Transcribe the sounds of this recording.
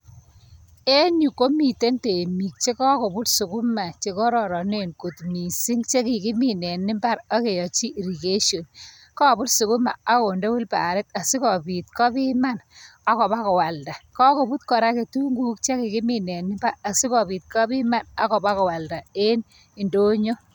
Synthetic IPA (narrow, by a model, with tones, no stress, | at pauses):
e˦nju˨ko˦mi˨te˦nte˨mi˨k̚t͡ʃe˦kɔ˦ko˨bʊ˦tsu˨ku˦ma˨t͡ʃe˨kɔ˦ɾɔ˨ɾɔ˨ne˦nko˨tmi˨si˦ŋt͡ʃe˦ki˨ki˦mi˨nɛ˨nːɪ˦mba˦ɾa˦ke˨jɔ˨t͡ʃi˦ʔɾi˨ɡe˦ʃo˨n | kɔ˦˨bʊ˦tsu˨kʊ˦ma̰˨a˦ko˨ndo˦wu˦lpa̰˨ɾɪ˦ta˨si˦kɔ˨pi˨t̚kɔ˦pi˦ma˦na˦kɔ˨ba˦kɔ˨wa˨lda˨kɔ˦ko˨bu˦t̚kɔ˨ɾa˦ke˨tu˦ŋɡu˦k̚t͡ʃe˦ki˨ki˦mi˨nɛ˨nːɪ˦mba˦a˨si˦kɔ˨pi˨t̚kɔ˦pi˦ma˦na˦kɔ˨ba˦kɔ˨wa˨lda˨e˦n | i˨ndo˦ɲo˦